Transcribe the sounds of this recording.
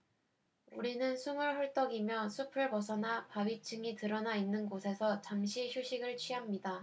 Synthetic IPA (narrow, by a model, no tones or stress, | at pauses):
uɾinɯnsʰumɯɭɦʌɭt͈ʌɡimjʌsʰupʰɯɭpʌsʰʌnapawɥit͡ɕʰɯŋitɯɾʌnainːɯnɡosʰe̞sʰʌt͡ɕamɕʰiçjuɕʰiɡɯɭt͡ɕʰɥiɦamɲida